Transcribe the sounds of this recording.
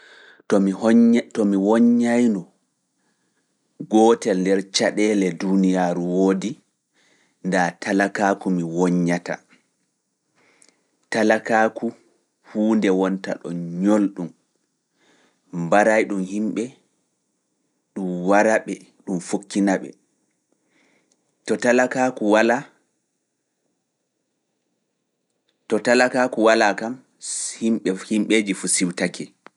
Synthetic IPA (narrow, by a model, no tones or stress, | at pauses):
tɔmtɔmiwɔɲːajnɔ | ɡɔːtɛlndɛɾt͡ʃaɗɛlɛdunijaːɾuwoːdi | ndatalakaːkumiwɔɲːata̰ | talakaku | huːndɛwɔnta̰ɗɔ̰nɲolɗum | baɾajɗumhimɓɛ | ɗumwaɾaɓɛ | ɗumfokːinaɓɛ̰ | tɔtalakakuwala | tɔtalakaːkuwalakam | himɓɛhimɓeːd͡ʒifusiwtakʰɛ